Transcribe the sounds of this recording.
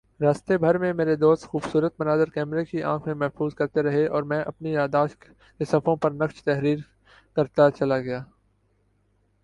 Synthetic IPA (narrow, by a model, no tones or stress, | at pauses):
ɾaːst̪ebʱɐɾmẽmeːɾed̪oːst̪xuːbsuːɾət̪̚mɐnaːd̪ɪɾkɛːmɾekiʔã̰ːkʰmẽmɛɦfuːzkɐɾt̪eɾɐɦeʔɔːɾmɛ̃ːʔɐpnijaːd̪aːʃ | kesɐfõpɐɾnɐkʃt̪ɛɦɾiːɾ | kɐɾt̪at͡ʃɐlaɡɐjaː